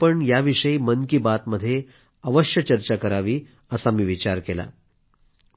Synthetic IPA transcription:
pəɳjaʋiʂəiːmənkiːbat̪məd̪ʱːje | əʋəɕjət͡ɕəɾt͡ɕakəɾaʋiː | əsamiːʋit͡ɕaɾkela̰

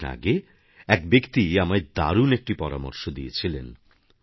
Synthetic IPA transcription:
a̰ɡe | ɛkbekt̪iamaed̪a̰ɾunek̚ʈipɔɾa̰mo̰ɾʃod̪iet͡ɕʰilen

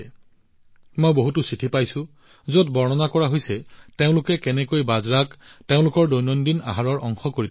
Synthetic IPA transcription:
mojboɦutʊsitʰipajsʊ̃ | zotbɔɹnɔnakɔɹaɦojsɛteʊ̃lʊkɛkɛnɛkojbazɹakteʊ̃lʊkɔɹdonɔndina̰ɦaɹɔɹʔɔŋxɔkoɹit

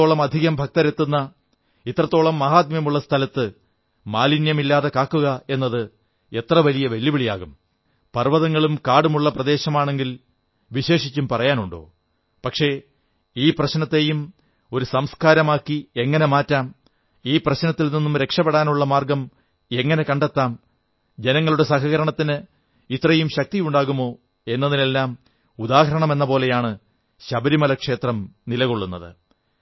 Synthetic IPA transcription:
oːɭɐmɐd̪ʱiɣɐmbʱɐk̚t̪ɐɾe̞t̪ːunːɐ | it̪ːrɐt̪ːo̞ːɭɐmːɐɦaːt̪̬̚mjɐmuɭːɐst̪ʰɐlɐt̪ːɨ | maːlinjɐmilːaːðe̞kaːkːuɣɐe̞nːɐðɨ | e̞t̪rɐʋɐlijɐʋɐljibiɭija̰ːɣum | pɐrʋɐðɐŋːɐɭumkaːɽumuɭːɐprɐðe̞ːɕɐmaːɳe̞ŋɡil | ʋiɕe̞ːʂit͡ɕːumpɐrɐjaːnuɳɖo̞̰ː | pɐkʂe̞ | iːprɐɕnɐt̪ːe̞ːjum | o̞ɾusɐmskaːɾɐmaːkːie̞ŋːɐne̞maːtːaːm | iːprɐɕnɐt̪ːilninːumɾe̞kʂɐpːeɽaːnuɭːɐmaːrɡɐm | e̞ŋːɐne̞kɐɳɖe̞t̪ːaːm | d͡ʑe̞nɐŋːɐɭuɽe̞sɐɦɐɣɐɾɐɳɐt̪ːinɨ | it̪rɐjumɕɐk̚t̪ijuɳɖaːɣumo̞ː | e̞nːɐðine̞lːaːm | ud̪aːhɐɾɐɳɐme̞nːɐpo̞ːle̞jaːɳɨ | ɕɐbɐɾimɐlɐkʂe̞ːt̪rɐmnilɐɣo̞ɭːunːɐðɨ̰

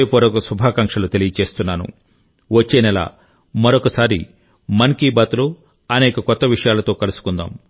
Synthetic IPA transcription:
pɔːɾɐkɐsubʱaːkɐŋkʂɐlut̪e̞lijɐt͡ʃe̞ːst̪unːaːnṵ | ʋɐt͡ʃːeːnɛlɐ̰ | mɐɾokɐsaːɾi | mɐnkiːbat̪ulo | ɐnɛːkɐkɔt̪ːɐʋiʂɐjaːlɐt̪o̞ːkɐlusu̥kund̪a̰ːm

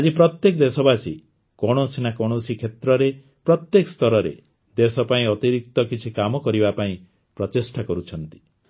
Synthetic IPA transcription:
ad͡ʒipɾɔt̪jekd̪esɔbasi | kɔɽ̃osinakɔɽ̃osikʰet̪ɾɔɾe | pɾɔt̪jekɔst̪ɔɾɔɾḛ | d̪esɔpaĩɔt̪iɾik̚t̪ɔkit͡ʃʰikamɔkɔɾibapaĩ | pɾɔtisʈakɔɾut͡ʃʰɔnt̪i̥

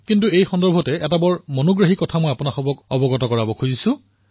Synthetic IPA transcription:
kintuejxɔndɔɹbʱɔtɛɛtabɔɹmɔnoɡɹaɦikɔtʰamojapunaxɔbɔkɔbɔɡɔtɔkɔɹabɔkʰuzisʊ̃

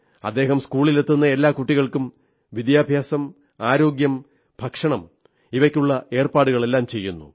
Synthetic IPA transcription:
ɐ̰d̪ːe̞ːɦɐmskuːɭile̞t̪ːunːɐe̞lːaːkuʈːiɣɐɭkum | ʋid̪jaːbʱjaːsɐm | aːɾo̞ːɡjɐm | bʱɐkʂɐɳɐm | iʋɐkʲːuɭːɐe̞ːrpaːɽuɣɐɭe̞lːaːmt͡ɕe̞jːunːṵ

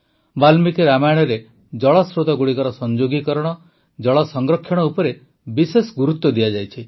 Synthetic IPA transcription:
balmikeɾamajɽ̃ɔɾe | d͡ʒɔɭɔsɾot̪aɡuɽikɔɾɔsɔnd͡ʒoɡikɔɾɔɽ̃ɔ | d͡ʒɔɭɔsɔŋɡɾɔkʰːjɔɽ̃ɔupɔɾe | bisesɔɡuɾut̪ːɔd̪iad͡ʒajt͡ʃʰi

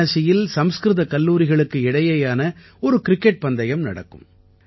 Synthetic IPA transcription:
ɐsɪjɪlsɐmskɾɯðɐkɐlːuːɾɪɣɐɭɯkːɯɪɽɐjɐjaːnɐ | ɔɾɯkɪɾɪkːɛʈ̚pɐnd̪ɐjɐmnɐ̰ɽɐ̰kːɯ̰m

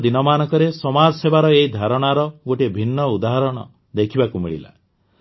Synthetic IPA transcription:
d̪inɔmanɔkɔɾesɔmaɾsebaɾɔeɦid̪ʱaɾɔɽ̃aɾɔɡoʈibʱinːɔud̪aɦɔɾɔɽ̃ɔ̰ | d̪ekʰibakumḭɭḭla̰

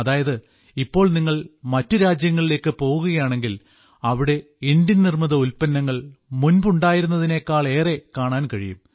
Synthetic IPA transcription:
ɐðaːjɐðɨ | ipːo̞ːɭniŋːɐɭmɐtːɨɾaːd͡ʑjɐŋːɐɭile̞ːkːɨpo̞ːɣuɣɐjaːɳe̞ŋɡil | ɐʋiɽe̞ | indjɐnnirmɐðɐulpɐnːɐŋːɐɭmunbuɳɖaːjiɾunːɐðine̞ːkːaːɭe̞ːre̞kaːɳaːnkɐɻijṵm

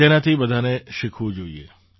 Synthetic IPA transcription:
eːnãt̪ʰibɐd̪ʱaːnẽʃɪkʰud͡ʒoːḭḛː

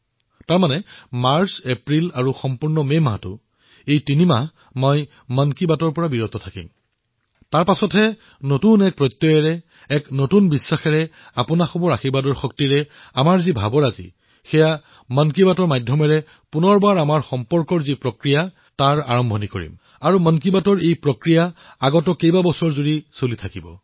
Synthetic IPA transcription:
taɹmanɛmaɹsepɹilaɹuxɔmpuɹnɔmemɦa̰tʊ̰ | ejtinima | mɔj | mankibatɔɹpɔɹabiɹɔt̪ʰɔtʰakḭm | taɹpasɔtɦɛ | notunɛk̚pɹɔt̪ːɔjɔɹɛ | ɛknotunbisːaxɛɹɛ | apʊnaxɔbɔɹaxibadɔɹxɔk̚tiɹɛ | amaɹzibʱa̰bɔɹazḭ | xɛja | mənkibatɔɹmajdʱːɔmɛɹɛ | punɔɹbaɹamaɹxɔmpɔɹkɔɹzipɹɔkɹija | taɹa̰ɹɔmbʱɔniko̰ɹḭm | aɹumənk̬ibatɔɹejpɹɔkɹija | aɡɔtɔkejbabɔsɔɹzuɹisulitʰakibɔ̰

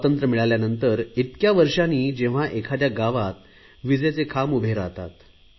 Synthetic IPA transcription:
t̪ənt̪ɾəmiɭaljanənt̪əɾit̪kjaʋəɾʂaniːd͡ʑẽʋ̤aʔekʰad̪jaɡaʋat̪ | ʋid͡zet͡sekʰamubʱeɾat̪a̰t̪

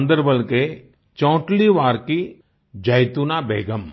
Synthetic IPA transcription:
nd̪əɾbəlke | t͡ʃɔ̃ːʈliʋaːɾki | d͡ʒɐjt̪unabḛːɡəm

